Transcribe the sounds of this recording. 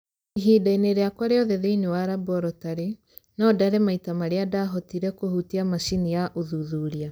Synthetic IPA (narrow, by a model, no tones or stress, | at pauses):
iɦidaineɾeakwaɾeɔðɛðeinewaɾabɔɾɔtaɾe | nɔdaɾɛmaitamaɾeadaɦɔtiɾɛkohutiamaʃinijaʔoðuðuɾia